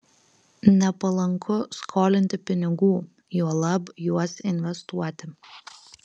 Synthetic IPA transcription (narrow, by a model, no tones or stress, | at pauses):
nʲɛpɐlˠɐŋkʰʊskʰoːlʲɪnʲt̪ʲɪpʲɪnʲɪɡuː | juɔlˠɐbjuɔsɪnʲʋʲɛst̪uɔt̪ʲɪ